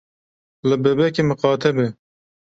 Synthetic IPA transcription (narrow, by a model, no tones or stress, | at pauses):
lɨbɛbɛkemɨqɑːt̪ʰɛbe